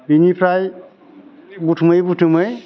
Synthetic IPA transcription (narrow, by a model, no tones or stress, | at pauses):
binipʰɾaj | butʰumɯjbutʰumɯj